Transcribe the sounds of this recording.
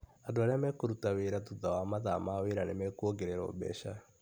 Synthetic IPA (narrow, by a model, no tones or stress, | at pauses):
andoaɾeamɛkoɾutaweɾatuðawamaðamaweɾanemɛkwoɡeɾeɾɔ̰bɛ̰ʃa